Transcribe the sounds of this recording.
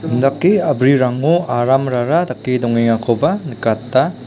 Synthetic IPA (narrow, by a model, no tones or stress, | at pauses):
ndakːiɐbɾiɾaŋoaɾamɾaɾadakːidɔŋiŋakʰobɐnɯkatːa